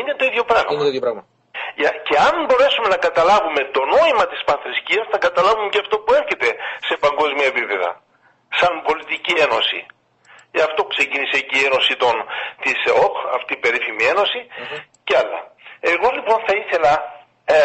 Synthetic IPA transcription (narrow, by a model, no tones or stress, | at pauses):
inet̪o̞iðʝo̞pɾɐɣmɐiðjopɾɐɐ | ɐce̞ɐnbo̞ɾe̞sume̞nɐkɐt̪ɐlɐvume̞t̪o̞no̞imɐt̪ispɐnθɾisciɐsθɐkɐt̪ɐlɐvumeceɐft̪o̞pue̞ɾçe̞t̪e̞se̞pɐŋɡo̞zmiɐepipe̞ðɐ̰ | sɐnpo̞lit̪icie̞no̞sḭ | eɐft̪o̞pu̥kse̞cinisecie̞no̞sit̪o̞nt̪isokɐ̰ft̪iːpe̞ɾifimie̞no̞siceɐlːɐ̰e̞ɣo̞lipo̞nθɐiθe̞lɐ